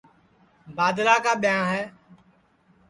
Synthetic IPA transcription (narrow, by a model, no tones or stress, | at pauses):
baːd̪laːkaːɓɪjãːɦɛː